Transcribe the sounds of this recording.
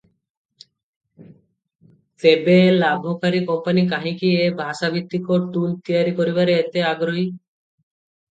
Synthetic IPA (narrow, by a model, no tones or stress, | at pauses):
t̪ebelabʱɔkaɾikɔmpanik̬aɦĩkiebʱasabʱit̪ːikɔʈult̪ijaɾikɔɾibaɾeːt̪eaɡɾoɦi